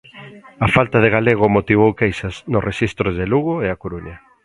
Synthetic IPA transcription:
afalt̪að̞eɣaleɣ̞ʊmot̪iβ̞owkejsɐznʊsrʔeʃist̪ɾozðeluɣoeakoɾuɲa

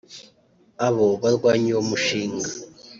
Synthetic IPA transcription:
aβoβaɾɡwaːɲiwomuʃiːŋɡa

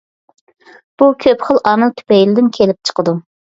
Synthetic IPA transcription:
b̥ukʲʰøpχəlˠʔɑːmɪlt̪ʰy̥pɛjlɪd̪ɪnkʲʰelɪp̚t͡ʃʰə̥qʰəd̪u

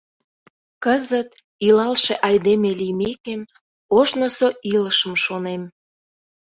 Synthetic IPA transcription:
kəzət̪ | ilɑlʃeʔɑjd̪emelijmekem | oʃnəsoʔiləʃəmʃonem

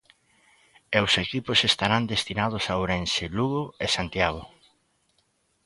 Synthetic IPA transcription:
ewsekipʊsest̪aɾand̪est̪inað̞ʊsawɾenseluɣoesant̪jaɣ̞o

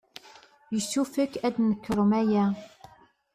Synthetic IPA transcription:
jəsufəkːæd̪nəkːəɾˤmæjæ

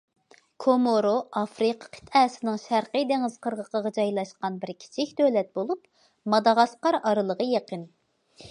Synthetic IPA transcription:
kʰomoɾoʔɑfɾɨqʰɑ̥qʰə̥t̪ʰɛːsɪnɪŋʃæɾqəd̪eŋɪzqʰəɾʁəqəʁɑd͡ʒɑjlˠɑʃqɑnbɪɾkʲʰi̥t͡ʃʰɪkʲd̪ølɛt̪̚bolˠup | mɑd̪ɑʁɑsqɑɾɑɾɨlˠəʁəjeqən

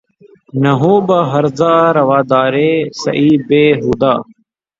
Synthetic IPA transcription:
nəɦuːbəɦəɾzaːɾɐʋaːd̪aːɾeːsɐ̰ʔiːbeːɦuːd̪aː

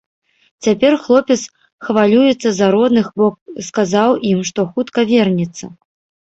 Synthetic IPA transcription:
t͡sʲapʲɛrxlˠɔpʲɛt̪s | xvalʲujɛt̪sːɐzaɾɔd̪nɨxbɔkskazawʔimʂt̪ɔxut̪kɐvʲɛrnʲit̪sːɐ

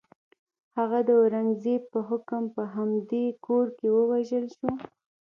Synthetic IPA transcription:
haɣad̪əɾaŋzepəɦʊkəmpəɦamd̪ekoɾkewəwaʒəlʃu

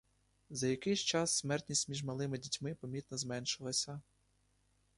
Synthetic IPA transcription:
zɐjɐkɪjst͡ʃɑsːmɛrt̪ʲnʲisʲtʲmʲiʒmɐlˠɪmɪdʲitʲmɪpɔmʲit̪nɔzmɛnʃɪlˠɐsʲɐ

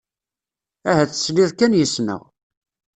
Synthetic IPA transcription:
æɦæt͡sːə̥sliðkænjəsnə̰ʁ

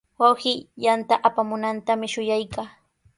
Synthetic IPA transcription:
wawhɪjant̪aʔapamʊnant̪amɪʃʊjajkaː

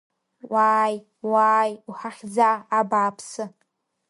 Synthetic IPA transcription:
waːj | waːjuħaχʲd͡zaːbaːpʰsɨ

